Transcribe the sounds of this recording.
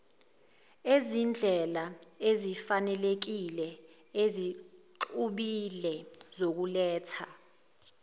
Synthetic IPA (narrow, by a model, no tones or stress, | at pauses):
ezind͡ɮʱɛlaezifanɛlek̬ilɛ | eziǃuɓilɛzok̬ulɛːtʰa